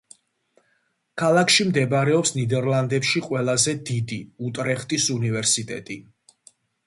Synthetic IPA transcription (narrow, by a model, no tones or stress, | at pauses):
kʰalˠakʰʃimd̪ɛbɾɛɔpsnid̪ɛɾlˠand̪ɛpʃiqʼwɛlˠazɛd̪id̪iut̪ʼɾɛχt̪ʼisunivɛɾsit̪ʼɛ̰t̪ʼi